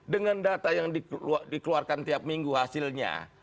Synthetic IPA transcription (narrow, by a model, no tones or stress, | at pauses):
dəŋandat̪ajaŋdidikəluarkant̪iap̚miŋɡuhasɪlɲa̰